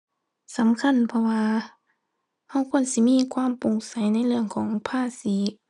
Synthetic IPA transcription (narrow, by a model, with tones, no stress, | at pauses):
sa˨˦mkʰa˧˥˨npʰɔ˧waː˧ | ha˧˥˩wkʰu˧˥˨ənsi˧˦miː˧˥˨kʰwaː˧˥˨mpo˨˧˦ŋsa˨˦jna˧˥˨jlɯ˧˩˨əŋkʰɔː˩˦ŋpʰaː˧˩˨siː˨˦